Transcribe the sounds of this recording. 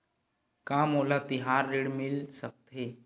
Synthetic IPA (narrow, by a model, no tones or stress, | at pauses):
kãːmoːlat̪ɪɦaːɾːiɽmɪlsək̚t̪ɦe